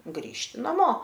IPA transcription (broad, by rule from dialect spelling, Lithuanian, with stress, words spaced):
ˈɡrʲiːʃʲtʲɪ nɐˈmoː